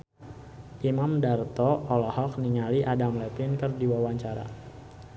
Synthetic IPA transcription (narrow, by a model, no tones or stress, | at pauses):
ʔimamdart̪ɔɔlɔhɔk̚niŋaliʔadamlɛpinkərdiwawaɲt͡ʃaɾa̰